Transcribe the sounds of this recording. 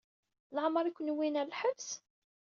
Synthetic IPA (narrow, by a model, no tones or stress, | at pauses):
ləʕməɾˤikʷːənwinæɾlħəbs